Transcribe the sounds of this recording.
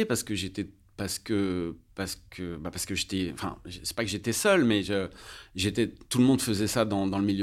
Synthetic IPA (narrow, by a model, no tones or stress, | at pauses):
epaʁsə̥kəʒet̪ɛ | paʁsə̥kəpaʁsə̥kʰəbapaʁsə̥kəʒet̪ɛɑ̰̃fɛ̰̃ʒsɛ̥pakəʒet̪ɛsœlmɛʒəʒet̪ɛt̪uləmɔ̃d̪fəzɛsad̪ɑ̃d̪ɑ̃ləmilj